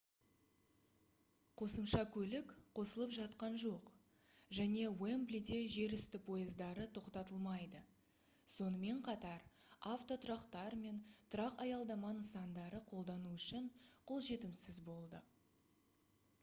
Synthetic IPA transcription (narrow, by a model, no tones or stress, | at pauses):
qʰo̞səmʃɑkʲʰɵlɪkqʰo̞səlˠəpʒɑt̪qɑnʒo̞q | ʒæne̞wemblʲid̪e̞ʒe̞ɾʏst̪ɪpʰo̞jəzd̪ɑɾət̪ʰo̞qt̪ɑt̪əlˠmɑjd̪ə | so̞nəme̞ɴqʰɑt̪ɑɾaft̪o̞t̪ʰʊɾɑqt̪ɑɾme̞nt̪ʰʊɾɑqɑjɑlˠd̪ɑmɑnəsɑnd̪ɑɾəqʰo̞lˠd̪ɑnuʏʃɪɴqʰo̞lˠʒe̞t̪ɪmsɪzbo̞lˠd̪ə